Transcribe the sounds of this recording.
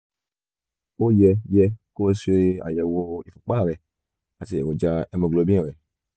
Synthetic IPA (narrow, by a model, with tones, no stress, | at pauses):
o˦jɛ˧jɛ˧ko˦˧˦se˧a̰˨jɛ˨wo˧i˨fu˨k͡pa˦˨ɾɛ˨ | a˨ti˨ɛ̰˨wo˨d͡ʒa˧ɛ˧mo˧˨ɡlo˧˨bĩ˦ɛ̃˦˨ɾɛ˨